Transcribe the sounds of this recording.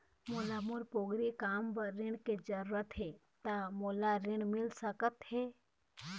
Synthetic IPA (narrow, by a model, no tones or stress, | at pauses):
molamuɾpoɡɾikaːmbəɾɪɳked͡ʒəɾuɾət̪ɦe | t̪amolaɾɪɳ̃mɪlsəkət̪he